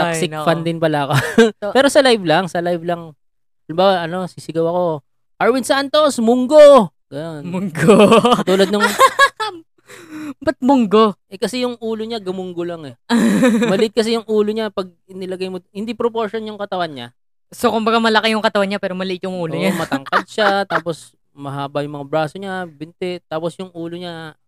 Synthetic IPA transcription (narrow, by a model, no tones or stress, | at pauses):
t̪aksɪfand̪ɪnpɐlaɐkopɛːɾo̞sɐlajvlɐŋsɐlajvlɐŋ | ɐlɪmbaːwaɐno̞sisɪɡɐwɐko̞ | ʔaɹwɪnsant̪o̞smʊŋɡo | ɡɐjonmʊŋɡoɐt̪uːlɐd̪nɐŋ | bɐt̪̚mʊŋɡoʔɛkɐsɛjʊŋʔuːloɲaɡɐmʊŋɡolaŋɛ | mɐlɪʔɪt̪̚kɐs̬ɛjʊŋʔuːloɲapɐɡ̚ɪnɪlɐɡajmohɪnd̪ipɾopoɹʃonjʊŋkɐt̪ɐwanɲa̰ | sokʊmbɐɡamɐlɐkɛjʊŋkɐt̪ɐwanɲapɛːɾomɐlɪʔɪt̪jʊŋʔuːloɲamɐt̪ɐŋkad̪̚ʃat̪aːpos | mɐhaːbɐjʊŋmɐŋabɾaːsoɲabɪnt̪ɛt̪aːposjʊŋʔuːloɲa